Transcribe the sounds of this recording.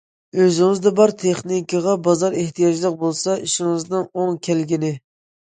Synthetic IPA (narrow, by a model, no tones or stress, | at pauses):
øzɪŋɨzd̪ɛbɑɾt̪ʰeχnikɑʁɑbɑzɑɾeht̪ʰijɑd͡ʒlˠəq̚bolˠsɑiʃɪŋɨznɨŋoŋkʲʰælɡʲinɪ